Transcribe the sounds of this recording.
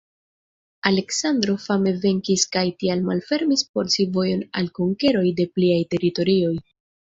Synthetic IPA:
ale̞ksand̪ɾo̞fame̞ve̞ŋkiskajtialmalfe̞ɾmispo̞ɾsivo̞jo̞na̰lkoŋke̞ɾo̞jde̞pliajte̞ɾito̞ɾio̞j

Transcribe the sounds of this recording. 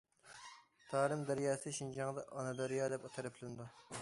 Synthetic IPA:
t̪ʰɑːɾɨmd̪æɾjɑːsɨʃind͡ʒɑŋd̪ɑʔɑnɑd̪oɾjɑːd̪ɛpɑt̪ʰɨɾɨpʰlɪnd̪u

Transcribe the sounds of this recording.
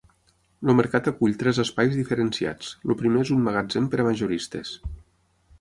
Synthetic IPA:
loməɾkat̪əkuʎt̪ɾɛzəspajzðifəɾensia̰t͡slupɾimeezummaɣad͡zempəɾamaʒuɾist̪ḛs

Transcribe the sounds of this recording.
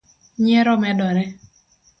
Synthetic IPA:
ɲɛɾɔmɛdɔɾɛ

